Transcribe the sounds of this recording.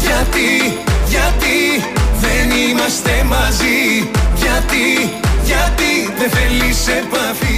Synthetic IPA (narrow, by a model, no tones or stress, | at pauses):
ʝɐt̪iʝɐt̪iðenimɐst̪emɐziʝɐt̪iʝɐt̪iðefelisepɐθi